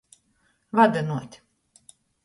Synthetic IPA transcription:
vad̪ɨnuɔt̪ʲ

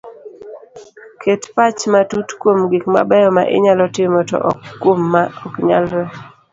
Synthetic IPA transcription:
kʰetpat͡ʃmatutkwomɡikma̰bɛjɔma̰ʔɪ̰ɲalɔtɪmɔtɔ̰ʔɔ̰kːwomːaɔkɲa̰lɾɛ

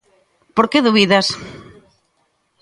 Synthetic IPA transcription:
poɾkeðuβiðas

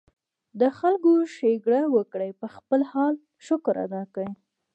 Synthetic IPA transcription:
d̪əxalɡoʃeɡɽawəkɽajpəxpəlhɑl | ʃʊkɾa̰d̪ɑkəj

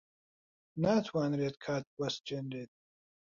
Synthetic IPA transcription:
naːt̪ʰwaːnɾeːt̪kʰaːt̪̚wɐs̚d͡ʒenɾeːt̪̚

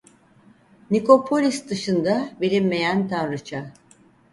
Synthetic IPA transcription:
niko̞pʰo̞lʲisd̪ɯʃɯnd̪abeɾʲinme̞jænt̪ʰanɾɯt͡ʃʰa

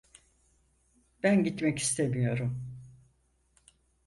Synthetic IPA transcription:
b̥ænɟit̪mɛci̥st̪ʰemijo̞ɾum

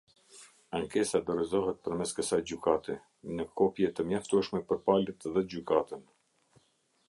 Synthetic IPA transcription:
aŋkɛsad̪ɔɾɛzɔɦɛt̪̚pəɾmɛskəsajd͡ʑykat̪ɛ | nəkʰɔpjɛt̪əmjaft̪uʃmɛpəɾpalɛt̪ðɛd͡ʑykat̪ən

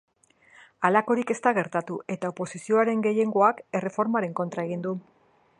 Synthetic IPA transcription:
alako̞ɾike̞st̪aɣ̞e̞ɾt̪at̪uʔe̞t̪aopo̞sisio̞aɾe̞ŋɡe̞je̞ŋɡo̞ake̞re̞fo̞ɾmaɾe̞ŋko̞nt̪ɾae̞ɣ̞ind̪u

